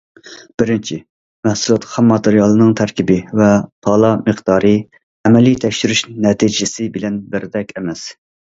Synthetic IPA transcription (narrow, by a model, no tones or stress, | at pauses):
b̥ɪɾɪnt͡ʃʰi | mæhsulˠɑt̪χɑmːɑt̪eɾijɑlˠɨnɨŋt̪ʰæɾkʲibɪvɛpʰɑlˠɑmɨqd̪̥ɑːɾɨ | ɛmɛlit̪ʰɛkʲʃyɾyʃnɛt̪ʰid͡ʒɪsɪbɪlɛnbɪɾd̪ɛkʲɛmɛs